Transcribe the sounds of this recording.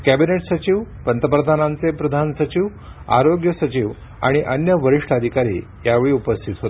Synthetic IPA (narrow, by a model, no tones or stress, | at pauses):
kæbineʈsət͡ɕiʋpənt̪əpɾəd̪ʱanãnt͡sepɾəd̪ʱansət͡ɕiʋ | a̰ɾoɡjəsət͡ɕiːʋ | a̰ɽ̃iʔənjəʋəɾiʂʈad̪ʱikaɾḭː | jaʋeɭiːupəst̪ʰit̪ɦot̪